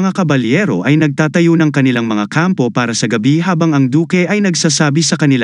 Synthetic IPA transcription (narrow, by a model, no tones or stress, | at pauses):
ŋakɐbɐljɛːɾo̞ʔɐjnɐɡ̚t̪aːt̪ɐjonɐŋkɐnɪlaŋmɐŋakampo̞paːɾɐsɐɡɐbiɦaːbɐŋɐŋd̪uːkɛʔɐjnɐɡsaːsaːbisɐkɐnɪla